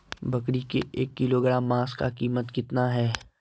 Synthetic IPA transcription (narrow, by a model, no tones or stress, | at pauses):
bɐkɽikeʔeːkːɪloɡəɽaːmːaːskakiːmət̪kɪt̪naɦɛː